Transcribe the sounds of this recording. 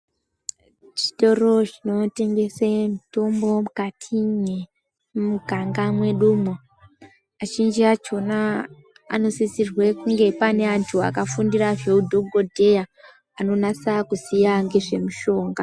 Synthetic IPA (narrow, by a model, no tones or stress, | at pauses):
t͡ʃi̥to̞ro̞t͡ʃino̞te̞ŋɡe̞semito̞mbo̞mukatʰine | muɡʱaŋɡamwe̞ɗumwo | at͡ʃind͡ʒiat͡ʃo̞na | a̰no̞sisirwe̞kuŋɡe̞pane̞antʰua̰kafundiraveudʱoɡʱodʱe̞ja | ano̞nasakusijaŋɡe̞ʐe̞muʃo̞ːŋɡa